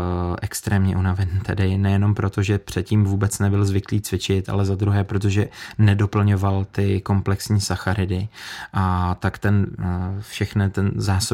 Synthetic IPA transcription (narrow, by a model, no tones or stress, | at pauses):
ʔɛkst̪ɾɛːmɲɛʔunavɛnt̪ɛdɪnɛjɛno̞mpɾo̞t̪o̞ʒɛpr̝̥ɛt̪ciːmvuːbɛt͡snɛbɪlzvɪkliːt͡svɪt͡ʃɪt̪a̰lɛzad̪ɾuɦɛːpɾo̞t̪̬oʒɛnɛdo̞pl̩ɲo̞valt̪ɪko̞mplɛksɲiːsaxaɾɪdɪʔat̪akt̪ɛnfʃɛxnɪt̪ɛnzaːso